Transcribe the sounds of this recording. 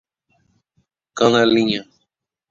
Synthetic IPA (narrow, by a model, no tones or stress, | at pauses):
kanaliɲa